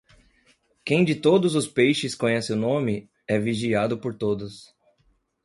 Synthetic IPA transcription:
kẽj̃d͡ʒɪt̪od̪ʊzʊspejʃɪskõɲɛsɪʊnõmɪ | ɛviʒiad̪ʊpoɾt̪od̪ʊs

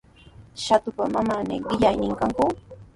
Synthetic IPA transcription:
ʃat̪ʊpamamanɪɢɪʎajnɪŋkaŋkʊ

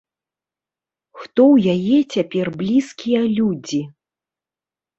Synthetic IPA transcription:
xt̪ɔwjajɛt͡sʲapʲɛrblʲiskʲijɐlʲud͡zʲi

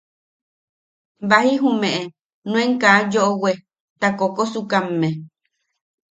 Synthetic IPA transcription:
bahiɦũmẽʔe | nũẽŋkaːd͡ʒoʔowe | t̪akokosukamːẽ

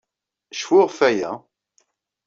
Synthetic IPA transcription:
ʃfʊʁfæjæ

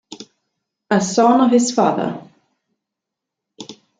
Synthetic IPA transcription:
aðsawnav̥hɪsfa̰ːða̰ɾ

